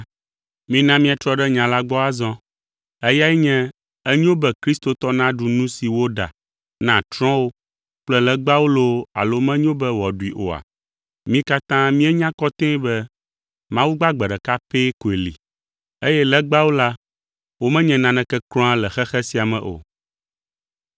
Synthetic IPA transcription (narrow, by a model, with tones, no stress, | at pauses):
mĩ˦nã˦mĩ˦ã˨t̪ɾɔ˦ɖɛ˦ɲã˨la˦ɡ͡bɔ˦a˦zɔ̃˦ | ɛ˦ja˦i˦ɲɛ̃˦ | ɛ˦ɲ˦õ˦bɛ˦kɾi˦st̪o˨t̪ɔ˦nã˦ɖu˨nũ˦si˨wo˦ɖa̰˨ | nã˨t̪ɾɔ̃˦wo˦ | k͡plɛ˦lɛ˦ɡ͡ba˦wo˦lo˦a̰˨lo˦mɛ̃˦ɲõ˦bɛ˦wɔ˨ɖu˨i˨ʔo̰˨a̰˨ | mĩ˦ka˦t̪ã˦mĩ˦ɛ˦ɲã˦kɔ˦t̪ẽ˦i˦bɛ˦ | mã˦wu˦ɡ͡ba˦ɡ͡bɛ˨ɖɛ˨ka˦pe˦ko˨e˨lḭ˨ | e˦jɛ˦lɛ˦ɡ͡ba˦wo˦la˦ | wo˦mɛ̃˦ɲɛ̃˨nã˨nɛ̃˨kɛ˦klɔ̃˦a˦lɛ˨xɛ˦xɛ˦si˦a˨mɛ̃˨ʔo̰˨